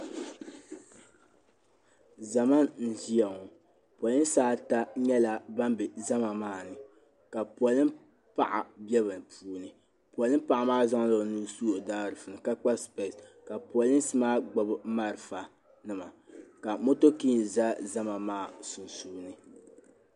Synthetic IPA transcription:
za˨ma˦nn̩˨zi˦a˨ŋo˨ | pɔ˨lɨ˦n˦saː˦ta˦ɲɛ˦la˨ba˦mbɛ˨za˦ma˨maː˦˨nɨ˨ | ka˨pɔ˨lɨ˦ | pa˦˨ʔa̰˨bɛ˦βɨ˨pʰuː˦nɨ˨ | pwɔ˨lɨ˦m˦pa˨ʔa˨maː˦za˦ŋ˦la˨nu˦suː˦o˨daː˦ɾɨ˨fɨ˨nɨ˨ka˦k͡pa˦spɛ˨ska˨pɔ˨lɨ˦n˦sɨ˦maː˦ɡ͡bɔ˨bɨ˦ma˦ɾɨ˨fa˨ | nɨ˨ma˨ka˨mo˦to˦ki˦˨za˦za˦ma˨maː˦˨sʊ˨nsuː˦nɨ˨˦

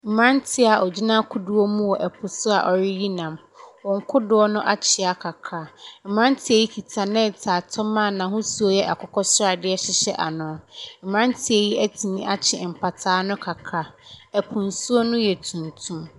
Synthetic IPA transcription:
m̩˨mã˦n˦tʰɪ˦a˨ʔɔ˨d͡ʑi˦nã˦kʰʊ˨du˦o˦mũ˦wɔ˨ʔɛ˨pʰʊ˨sʊ˦a̰˨ʔɔ˨ɾɪ˦ji˦nã˨m | wɔ̃˨ŋ̩˦kʰʊ˦dʊ˨ɔ˦nʊ̃˦ʔa˦t͡ɕʰɪ˨a˨kʰa˨kʰa˦m̩˨mã˦n˦tʰɪ˨e˨ji˦kʰi˨tʰa˨nɛ̃˦˨tʰaː˨tʰɔ˦mã˦˨nã˨hʊ̃˦su˦o˦jɛ˦ʔa˨kʰɔ˨kʰɔ˦sʊ˦ɾa˨dɪ˦ɛ˦ɕɪ˦ɕɛ˦ʔa˨nʊ̃˨m̩˨mã˦n˦tʰɪ˨ɛ˨ji˦ɛ˦tʰi˨nĩ˦ʔa˦t͡ɕʰɪ˨m̩˨pʰa˨tʰaː˨˦nʊ̃˦kʰa˨kʰa˦ɛ˨pʰũ˨nsu˦o˦nʊ̃˦jɛ˨tʰũ˨ntʰũ˦m

